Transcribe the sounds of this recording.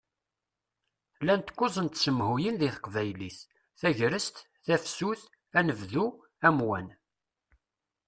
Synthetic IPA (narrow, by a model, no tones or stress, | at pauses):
lænt̪kːʊzˤənt̪səmhujinðiθqvæjliθ | θæʝɾəst̪ | θæfsuθ | ænəvðu | æmwæn